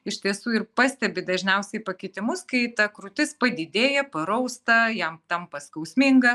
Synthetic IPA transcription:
ɪʃʲt̪ʲiɛsuːɪrpɑːsʲt̪ʲɛbʲɪd̪ɐʒʲnʲɛʊsʲɛɪpɐkʲɪt̪ʲɪmʊskɐɪt̪ɐkɾʊt̪ʲɪspɐd̪ʲɪd̪ʲeːjɛpɐɾɐʊst̪ɐjɛmt̪ɐmpɐskɐʊsʲmʲɪŋɡɐ

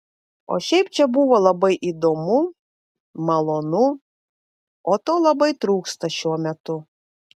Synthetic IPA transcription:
o̰ʃʲɛɪp̚t͡ʃʲɛbuʋoːlˠɐbɐɪʔid̪omʊ | mɐlˠoːnʊ | oːt̪oːlˠɐbɐɪt̪ɾuːkst̪ɐʃʲuɔmʲɛt̪ʊ

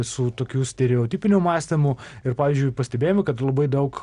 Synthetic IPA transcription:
sʊt̪oːkʲuːsʲt̪ʲɛɾʲɛoːt̪ʲiːpʲɪnʲumɑːsʲt̪ʲɪmʊɪɾpɑːʋʲiːzʲd͡ʒʲʊɪpɐsʲt̪ʲɛbʲeːjomɪkɐt̪lˠɐbɐɪd̪ɐʊk

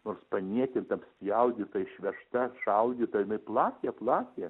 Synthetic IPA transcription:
noːrspɐnʲiɛk̪ʲɪnt̪ɐpsʲjɐʊɡʲɪt̪ɐɪʃʲʋʲɛʃt̪ɐʃɐʊɡʲɪt̪ɐjɪnɐɪplˠɑːkʲɛːplˠɑːkʲe

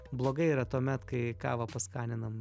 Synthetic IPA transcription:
blˠoːɡɐɪiːɾɐt̪uɔmʲɛt̪kɐɪkɑ̰ːʋɐpɐskɑːnʲɪnɐm

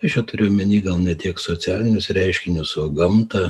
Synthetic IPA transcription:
ɐʃjʲɛt̪ʊɾʲeːjomʲɛnʲiːɡɐlˠnʲɛt̪ʲiɛksoːsʲæːlʲɪnʲʊsɾʲɛɪʃʲkʲɪnʲʊsoɡɐmt̪ɐ

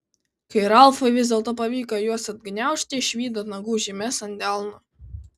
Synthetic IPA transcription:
kɐɪɾɐlˠfɐɪʋʲɪzʲd̪ʲɛlˠt̪oːpɐʋʲiːkojuɔsɐd̪̚ɡnʲæˑʊʃʲt̪ʲɪʃʲʋʲiːd̪oːt̪nɐɡuːʒʲimʲɛsɐnʲd̪ʲɛˑlˠnʊ

